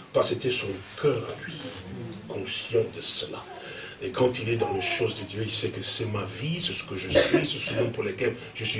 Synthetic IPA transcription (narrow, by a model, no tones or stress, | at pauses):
paʁset̪ɛsɔ̃kʰœʁa̰lɥi | kɔ̃sjɑ̃d̪əsəla̰ | ekʰɑ̃t̪ilɛd̪ɑ̃leʃozd̪əd̪jøilsɛkəsɛmavisɛsə̥kəʒəsɥisɛsəlɔ̃puʁlekɛl | ʒəsɥi